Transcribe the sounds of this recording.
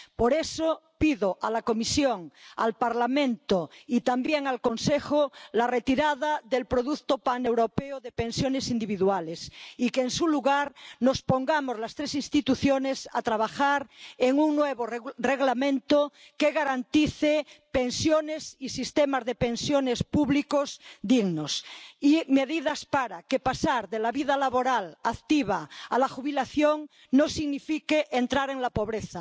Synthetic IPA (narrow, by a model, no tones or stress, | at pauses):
poɾesopiðoʔalakomisjoŋa̰lpaɾlamẽnt̪oit̪ambjeŋalkonsexolaret̪iɾaðaðelpɾoðukt̪opanewɾopeoðepẽnsjonesind̪iβ̞iðualesikeːnsuluɣaɾnospoŋɡamozlast̪ɾesinst̪it̪uθjonesat̪ɾaβ̞axaɾeŋuŋnweβoreɣlamẽnt̪o | keɣaɾant̪iθepensjonesisist̪emazðepẽnsjonespuβlikozd̪iɣnosimeðiðaspaɾakepasaɾðelaβiðalaβoɾalakt̪iβ̞aalaxuβilaθjoŋ | nosiɣnifikeʔent̪ɾaɾeŋlapo̞βɾeθa